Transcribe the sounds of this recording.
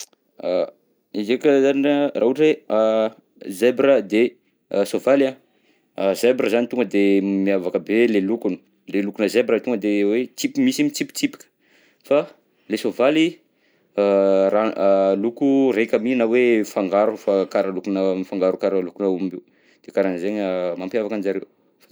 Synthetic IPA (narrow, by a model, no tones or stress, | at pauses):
a | izekəzaniraɦuʈ͡ʂea | zebɾəd̪e | sovala | zebɾəzanit̪uŋɡəd̪emiavakəbelelukunə̥ | lelukunəzebɾət̪uŋɡəd̪ewet͡sipimisimit͡sipi̥t͡sipi̥kə̥ | fa | lesovali | ɾalukuɾekʲəminawefaŋɡaɾufakaɾalukunəmifaŋɡaɾukaɾəlukunaumbe | d̪̥ekaɾanəzeɲamampjavakand͡ʒaɾew | fa